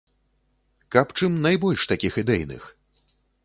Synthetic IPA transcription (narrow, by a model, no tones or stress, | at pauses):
kapt͡ʂɨmnajbɔlʲʂt̪akʲixɨd̪ɛjnɨ̰x